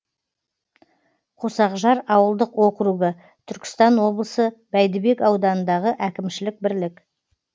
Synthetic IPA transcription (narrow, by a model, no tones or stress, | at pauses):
qʰo̞sɑqʒɑɾɑwəlˠd̪əqwo̞qɾuɡə | t̪ʰʏɾkʲɪ̥st̪ɑnwo̞blˠəsəb̥æjd̪ɪbe̞kɑwd̪ɑnənd̪ɑʁəʔækʲɪmʃɪlɪk̚bɪɾlɪk